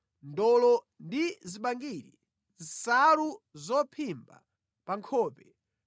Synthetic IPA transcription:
ndɔlɔ | ndiziɓaŋɡiːɾḭ | zisaɾuzɔpʰimba̰ | paŋkʰɔːpɛ

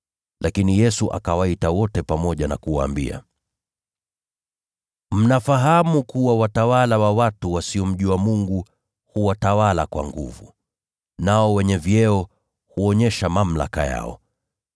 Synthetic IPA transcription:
lʔakinijɛsuʔa̰kawaitawɔtɛpamɔʄana̰kuwa̰ːmbḭa̰ | m̩nafaɦamukuwawatawalawawatuwasiɔm̩ʄiwamuŋɡu | huwatawala̰kwa̰ŋɡṵvṵ | naɔwɛɲɛvjɛɔ | huɔɲɛʃamam̩la̰ka̰ja̰ɔ̰

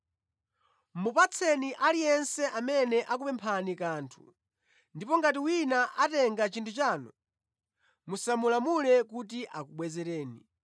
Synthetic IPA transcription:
mupat͡sʰɛniʔalijɛnsɛʔamɛnɛʔak̬upɛmpʰanikaːntʰu̥̰ | ndipɔŋɡatiwinaʔatɛŋɡat͡ʃintʰut͡ʃaːnɔ | musamulamulɛkut̬iʔakuɓwɛzɛɾɛːni

